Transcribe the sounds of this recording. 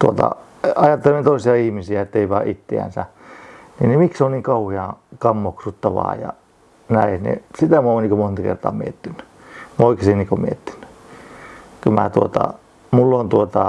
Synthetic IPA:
t̪uot̪ɑ̰ | ɑjɑt̪ːelement̪oisiɑihmisiæet̪ːeiʋɑːʔit̪ːḛæ̰nsæ | ninimiksonniːŋkɑuhiɑkɑmːoksut̪ːɑʋɑ̰ːjɑ̰ | næinḭsit̪æmoniŋkomont̪ɑkḛrt̪ɑ̰ːmiet̪ːynːy | moikesinniːkomiet̪ːi̥nːy̥ | kymæt̪uot̪ɑ̰ | mulːont̪uot̪ɑ

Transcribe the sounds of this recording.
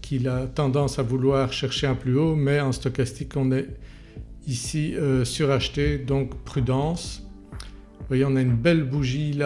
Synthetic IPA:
kʰilat̪ɑ̃d̪ɑ̃savulwaːʁʃɛʁʃeɛ̃plyomɛɑ̃st̪ɔkast̪ikɔ̃nɛ | isiøsyʁaʃt̪ed̪ɔ̃ːkpχyd̪ɑ̃ːs | vwajeɔ̃naynbɛlbuʒila

